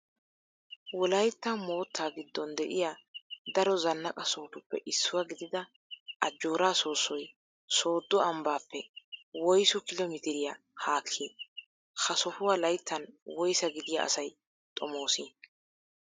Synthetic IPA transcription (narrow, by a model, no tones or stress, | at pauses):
wɔlɐjt̪ːɐmo̞ːt̪ʰːaːɡɪd̪ːɔnd̪ɛʔɪjad̪ɐɾɔzɐnːɐkʼɐsoːt̪ʊpːɛ̰ʔɪsːʊwaɡɪd̪ɪd̪ɐ | ʔɐd͡ʒːo̞ːɾaːsoːsːɔj | soːd̪ːɔɐmbaːpːɛwɔjsʊkɪlɔmɪt̪ɪɾɪja | haːkʰːi | xɐsɔfʊwaːlɐjt̪ːɐnwɔjsɐɡɪd̪ɪja̰ɐ̰sɐj | t̪ʼɔmo̞ːsiːn